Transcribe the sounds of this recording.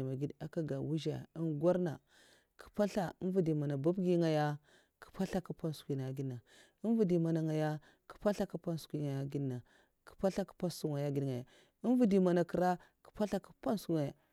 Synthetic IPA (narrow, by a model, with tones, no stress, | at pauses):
ma˨ɡi˦da˨ka˦ɡa˨wu˦ʒa̰˨i˦nɡʷa˦ɾna̰˨ | kʰi̥˨pa˦ɬa˦i˦nvu˨di˨ma˨na˨ba˦bɡi˦ŋa˨ja˦ | ki̥˨pa˦ɬa˦ku˦pa˦n˦skʷi˨na˨ɡi˦dna˨ | i˦n˦vu˨di˨ma˨na˨ŋa˨ja˦ | ku̥˨pa˦ɬa˦ku˦pa˦n˦skʷi˦ŋa˨ja˨ɡi˦dna˨ | ki̥˨pa˦ɬa˦ku̥˨pa˦nsu˦ŋa˨ja˦ɡi˨dŋa˨ja̰˨ | i˦n˦vu˦di˨ma˨na˨kə˨ɾa˦ku̥˨pa˦ɬa˦ku̥˦pa˦n˦su˦ŋe˨